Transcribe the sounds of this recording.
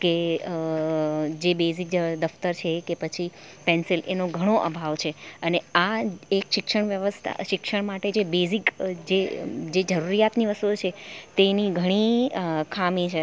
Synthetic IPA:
ke | d͡ʒebezik̚d̪əft̪əɾt͡ʃʰekepət͡ʃʰipɛnsilḛnoɡʱəɽ̃oʔə̰bʱaʋt͡ʃʰeəneaekʃɪkʃəɳ̃ʋjəʋəst̪ʰa̰ʃɪkʃəɳmaʈed͡ʒebezikd͡ʒed͡ʒed͡ʒəɾuɾijat̪niʋəst̪ot͡ʃʰet̪eniɡʱəɽ̃ikʰamĩt͡ʃʰe

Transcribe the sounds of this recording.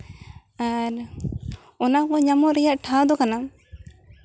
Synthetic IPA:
aɾ | ɔnakɔɲamɔɾɛjaʔʈʰawd̪ɔkana

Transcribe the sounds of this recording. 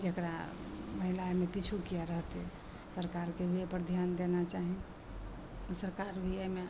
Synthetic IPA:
d͡ʒekɾa̰məɦilaemepit͡ʃʰukijaɾəɦt̪ɛ | səɾkaɾkebʱiepəɾd̪ʱjand̪enat͡ʃaɦi | səɾkaɾbʱiəme

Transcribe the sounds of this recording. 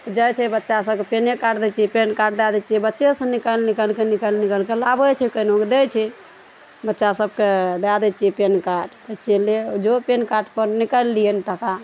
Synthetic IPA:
t̪ɔd͡ʒəjt͡ʃʰɛbətːʃasəbkepenekaɖd̪ɛt͡ʃɛpenkaɖ̚d̪ad̪ɛt͡ʃɛbətːʃesə̃nikəlnikəlkenikəlnikəlkelabət͡ʃʰɛkənoked̪ɛjt͡ʃʰɛ | bətːʃasəbked̪ad̪ɛt͡ʃɛpenkaɾɖt̪ət͡ʃeled͡ʒopenkaɾɖpəɾnikəlːiəniʈəka

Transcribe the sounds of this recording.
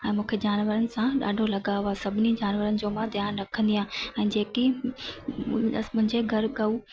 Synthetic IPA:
ɛ̃ːmũːkʰed͡ʑaːnʋəɾənɪ̆sãɗa̰ːɖʱolɐɠaːoasɐbʱɪnid͡ʑaːnʋəɾənɪ̆d͡ʑoːmãd̪ʱjaːnɾɐkʰə̃nd̪ijãːɛ̃ːd͡ʑeːkĩ | mʊ̃ɦɪ̃ɲd͡ʑeɡʱɐɾɠɐu

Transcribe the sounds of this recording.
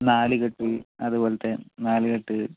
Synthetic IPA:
naːliɣɐʈːɨɐðuboːlɐt̪ːenaːlikɐʈːɨ

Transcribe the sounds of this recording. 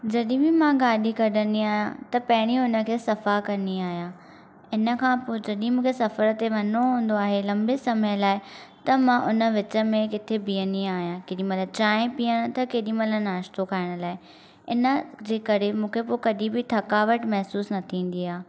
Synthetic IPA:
d͡ʑɐɗĩbɪmãɡaːɗikɐɗʱəniaːɦijãt̪ɐpɐɦɪɽ̃iʊnə̆kʰeːsɐfakɐniaːɦijãː | ɪnə̆kʰãːpod͡ʑɐɗĩmũːkʰesɐfəɾət̪eʋɐnoɦũːn̆d̪oaːɦelɐ̃mbesɐməj̃laːɪ | t̪ɐmãʔʊnə̆ʋɪt͡ɕə̆mẽkɪt̪ʰebijəniaːɦijãkeːɗĩmɐlət͡ɕaːɪ̃piəɽ̃̆t̪ɐkeːɗĩmɐlənaːʃt̪okʰaːɪɽ̃laːɪ | ɪnə̆d͡ʑeːkɐɾemũːkʰepokɐɗĩbɪt̪ʰɐkaːʋəʈmɐɦsuːsnɐt̪ʰĩːn̆d̪iaː

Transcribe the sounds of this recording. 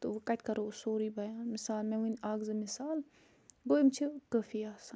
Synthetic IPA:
t̪oʋɐkɐt̪ʲkɐɾoːsoːɾibɐjaːnmisaːlmẽʋunʲaːɡzɨmisaːl | ɡoːjimt͡ʃʰikəfijaːsa

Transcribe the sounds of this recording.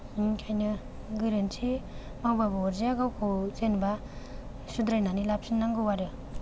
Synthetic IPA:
ikʰajnɯ | ɡɯɾensʰi | mawbabaɔɾzijaɡawkʰozenba | sud̪ɾajnanilap̚sʰinːaŋɡɯwaɾɯ

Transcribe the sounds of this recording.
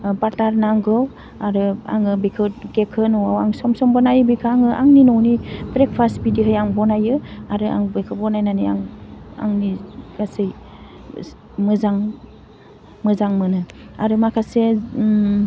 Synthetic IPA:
baɾtaɾnaŋɡɯw | aɾɯa̰ŋɯbikʰɯtɡekʰɯnɔwawaŋsɔmsɔmbɔnajɯbikʰaŋɯʔaŋninɔwnibɾek̚pʰasbidiɦɯjaŋbɔnajɯaɾɯa̰ŋbɯkʰɯbɔnajnaniaŋa̰ŋniɡ̥asɯj | mɯzaŋ | mɯzaŋmɯnɯaɾɯmakʰase

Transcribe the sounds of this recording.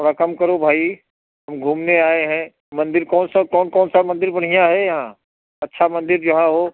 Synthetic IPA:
t̪ʰoːɽakɐmkɐɾobʱaːi | ɦɐmɡʱuːmneaːeɦɛ̃ | mɐ̃nd̪ɪɾkɔːnsakɔːnkɔːnsamɐ̃nd̪ɪɾbɐɽ̤ijãɦɛjɐɦã | ɐtːʃʰamɐ̃nd̪ɪɾd͡ʒɐɦãɦoː

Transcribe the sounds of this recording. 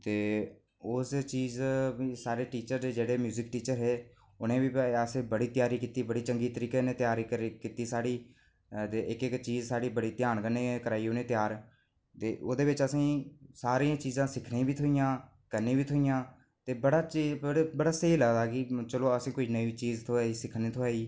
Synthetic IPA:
t̪eː | ʊst͡ʃiːzbiːsaːɾeːʈiːt͡ʃəɾeːd͡ʒeːɽeːmjuːzɪkʈiːt͡ʃəɾɦeː | ʊnẽːbiːəsẽːbəɽiːt̪ɪjaːɾiːkit̪iːbəɽiːt͡ʃəŋɡiːt̪əɾiːkenẽːt̪jaːɾikəɾkit̪iːsaːɽiː | d̪eɪkɪkt͡ʃiːzsaːɽiːbəɽiːt̪jaːnkənẽːkəɾaːiːʊnẽːt̪jaːɾ | t̪eːoːd̪eːʋɪt͡ʃəsĩːsaːɾiːãːt͡ʃiːzãːsɪkʰnẽːbiːt̪ʰʊijãː | kənẽːbiːt̪ʰʊːijãː | t̪eːbəɽaːt͡ʃiːɽebəɽaːsəɦiːləɡd̪aːkɪt͡ʃəloːəsĩːkʊinəit͡ʃiːzt̪ʰoaːiːsɪkʰniːt̪ʰoaːiː

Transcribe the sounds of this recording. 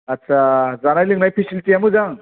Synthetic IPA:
atːsʰazanajlɯŋnajpʰisilʈiamɯzaŋ

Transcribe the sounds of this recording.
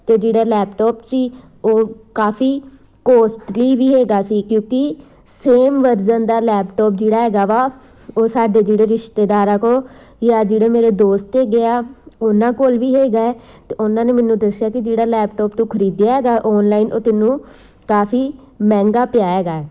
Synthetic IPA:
t̪eːd͡ʒeːɽaːlɛːpʈɔːpsiː | oːkaːfʰiː | koːsʈliːʋiːɦeːɡaːsiːkjõːkɪ | seːmʋəɾzənd̪aːlɛːpʈɔːp̚d͡ʒeːɽaːɦɛːɡaːʋaː | oːsaːɖeːd͡ʒeːɽeːɾɪʃt̪eːd̪aːɾãːkoː | jaːd͡ʒeːɽeːmeːɾeːd̪oːst̪eːɡɪaːʊnãːkoːlʋiːɦeːɡaːɛːt̪eːʊnãːneːmɛːnːũːd̪əsɪjaːkɪd͡ʒeːɽaːlɛːpʈɔːpnũːkʰəɾiːd̪jaːɦɛːɡaːʔɔːnlaːinʔoːt̪ɪnːũː | kaːpʰiː | mɛ̃ːŋɡaːpɪjaːeːɡaːɛː

